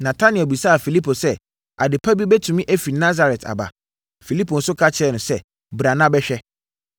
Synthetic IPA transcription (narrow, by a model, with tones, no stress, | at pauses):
nã˨tʰa˦nɪ̃˨o˨bi˨sa˦a˨fi˨li˦pʰo˨sɛ˦ | a̰˨dɪ˨pʰa˦bi˦bɛ˦tʰũ˨mĩ˦ʔe˦fi˨nã˦z̬a˨ɾɛ˨tʰa̰˨ba̰˨ | fi˨li˦pʰo˨n̩˦sʊ˦kʰa˦t͡ɕʰɪ˦ɛ˦˨nʊ̃˨sɛ˦ | bɾa˨nã˦bɛ˦ɕᶣɛ˦